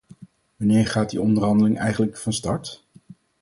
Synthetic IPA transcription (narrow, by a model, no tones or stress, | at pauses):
ʋɑnɪːɹχaːt̚diɔndəɹrɦɑndəlɪŋɛjχənləkfɑnstɑɹt